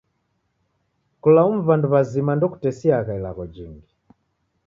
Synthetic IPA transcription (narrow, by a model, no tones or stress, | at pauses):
kulaum̩vanduβazimandɔku̥tɛsiaɣailaɣɔd͡ʒiŋɡi